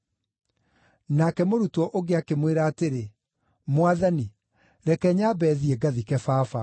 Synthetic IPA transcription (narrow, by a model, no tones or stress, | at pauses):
nakɛmoɾutwɔʔoɡeakemweɾaːteɾe | mwaðani | ɾɛkɛɲabɛðiɛɡaðikɛfaːfa